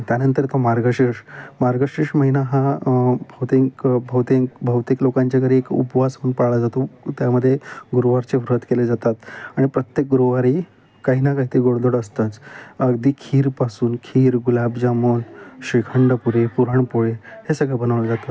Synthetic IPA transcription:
t̪janənt̪əɾt̪omaɾɡəɕiʂmaɾɡəɕiʂməɦinaɦãbʱəwt̪iŋkbʱəwt̪eŋkbʱəwt̪iklokaɲt͡ɕakəɾiekṵpʋasuːnpaɽlad͡zat̪ot̪jaməd̪ʱːjeɡuɾoʋaɾt͡seʋɾuɦət̪keled͡zat̪at̪aɽ̃ipɾət̪jek̚ɡuɾoʋaɾi | kaɦinakaɦit̪eɡoɽd̪oɽəst̪at͡səɡd̪iːkʰiːɾpasuːnkʰiːɾɡulabd͡ʑamonɕikʰəɳɖəpuɾepuɾəɳpoɭehesəɡɭebənəʋlad͡zat̪at̪

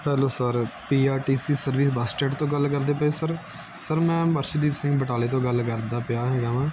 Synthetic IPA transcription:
hɛːloːsəɾpiːaːʈiːsiːsəɾʋiːs̬baːsʈeːʈt̪õːɡəlkəɾd̪eːpəeːsəɾ | səɾmɛ̃ːbəɾʃd̪iːpsɪ̃ŋɡbəʈaːleːt̪õːɡəlkəɾd̪aːpɪjaːɦɛːɡaːmɛ̃ː

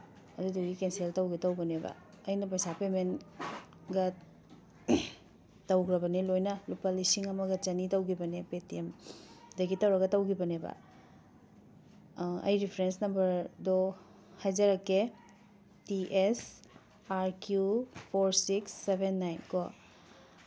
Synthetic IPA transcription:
ɐduduɡikenseltɐwɡitɐwbɐnebɐ̰ | ɐjnɐpɐjsapemen | ɡɐ | tɐwkɾɐbɐnelojnɐlupɐlisiŋɐmɐɡɐt͡ʃɐnitɐwɡibɐnepetiemdɐɡitɐwɾɐɡɐtɐwɡibɐnebɐ̰ | ɐ̰jɾipʰeɾensnɐmbɐɾdo | hajzɐɾɐke | tiʔes | aɾkjupʰoɾsiksːebʱenːajnko

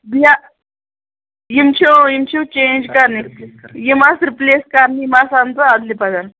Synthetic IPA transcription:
bija | jimt͡ʃʰojimt͡ʃʰot͡ʃẽnd͡ʒkaɾnijimasɾipleːskaɾnimasant͡s̪əad̪lipaɡan

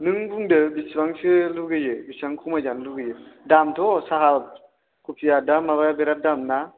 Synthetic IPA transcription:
nɯŋbuŋdɯbisbaŋsɯluɡɯjɯbisaŋkʰumajzanluɡɯjɯdamtʰɔsaɦal | kʰupʰijadamaβajabeɾadamna

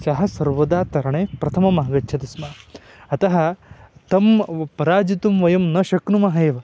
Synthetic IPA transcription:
t͡ʃɐɦɐ̆sɐɾʋɐd̪aːt̪ɐɾɐɳeːpɾɐt̪ʰɐmɐmɐɦɐɡɐtːʃʰɐt̪ɐsma | ɐt̪ɐɦɐ̆t̪ɐmpɐɾaːd͡ʒit̪umʋɐjɐmnɐʃɐkɳumɐɦɐeːʋɐ

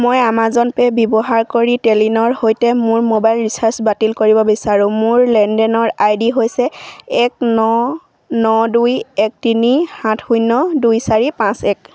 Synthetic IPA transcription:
mojamazɔnpɛbibɔɦaɹkoɹitelinɔɹhojtɛmʊɹmobajlɹisaɹsbatilkoɹibɔbisaɹʊ̃mʊɹlɛndɛnɔɹajdiɦojsɛɛk̚nɔ | nɔdujɛk̚tinihãtʰxujnːɔdujsaɹipãsɛk

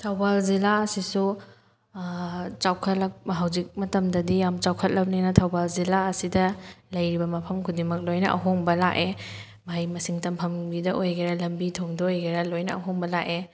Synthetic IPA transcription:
tʰawbalzilaɐsisu | t͡ʃawkʰɐt̚lɐk̚ɦɐwzik̚mɐtɐmdɐdijamt͡ʃawkʰɐt̚lɐp̚ninɐtʰawbalzilaɐsidɐlɐjɾibɐmɐpʰɐmkʰudiŋmɐk̚lojnɐʔɐ̰ɦoŋbɐlaʔe | majmɐsiŋtɐmpʰɐmbidɐʔojɡeɾɐlɐmbitʰoŋdɐojɡeɾɐlojnɐɐ̰ɦoŋbɐlake

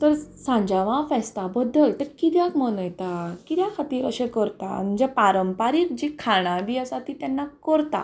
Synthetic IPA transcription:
t̪əɾsãɲd͡ʑaʋãfɛst̪abəd̪ːəlt̪əɾkid̪jãkmənəjt̪akid̪jãkʰat̪iːɾəɕẽkəɾt̪a̰m̤ənd͡zapaɾəmpaɾiːkd͡ʑikʰaɽ̃abiːəsat̪it̪jɛnːakəɾt̪a̰

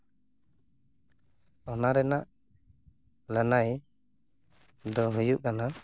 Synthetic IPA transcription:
ɔnaɾɛnaʔ | lənaj | d̪ɔɦujuʔkana

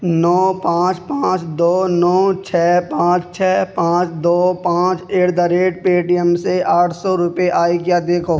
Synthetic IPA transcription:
nɔːpãːt͡ʃpãːt͡ʃd̪oːnɔːt͡ʃʰɛːpãːt͡ʃt͡ʃʰɛːpãːt͡ʃd̪oːpãːt͡ʃeːʈd̪aɾeːʈ̚peːʈijəmseaːʈʰsɔɾʊpeʔaːikjaːd̪eːkʰoː

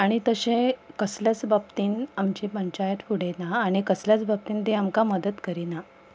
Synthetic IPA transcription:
aɽ̃it̪əɕẽkəsljat͡sbab̚t̪iːnamt͡ɕipəɲt͡ɕajət̪puɽ̤enaːɽ̃ikəsljat͡sbab̚t̪iːnt̪eamkaməd̪ət̪kəɾina

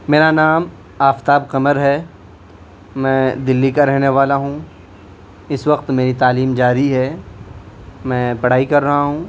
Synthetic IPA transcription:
meːɾanaːm | aːft̪aːbqɐməɾɦɛː | mɛ̃ːd̪ɪlːikaɾɛɦneʋaːlaɦũː | ɪsʋɐq̚t̪meːɾit̪aːliːmd͡ʒaːɾiɦɛ | mɛ̃ːpɐɽ̤aːikɐɾːɐɦaɦũː

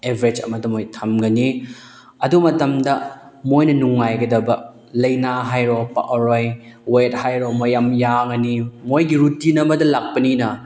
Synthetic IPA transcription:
ebʱɾed͡ʒɐ̰mɐdɐmojtʰɐmɡɐni | ɐdumɐtɐmdɐmojnɐnuŋːajɡɐdɐbɐ | lɐjnaɦajɾopɐ̰ʔoɾojwejt̚hajɾomojɐmjaŋɐnimojɡiɾutinɐmɐdɐlak̚pɐninɐ

